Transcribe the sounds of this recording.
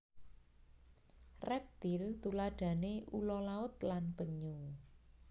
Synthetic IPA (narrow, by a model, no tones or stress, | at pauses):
rɛp̚t̪ilt̪ulaɖ̥ä̤neʔulɔlaʊt̪̚lanb̥əɲu